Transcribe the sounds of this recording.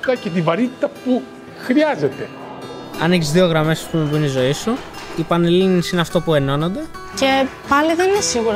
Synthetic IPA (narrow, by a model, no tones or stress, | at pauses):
kɐce̞t̪ivɐɾit̪i̥t̪ɐpu | xɾiɐzet̪e̞ | ɐ̰neçizðio̞ɣɾɐme̞sɐ̥spumebuinizo̞isuipɐnelinisineɐft̪o̞pue̞no̞nond̪e̞ | ce̞pɐliðe̞ninesiɣuɾ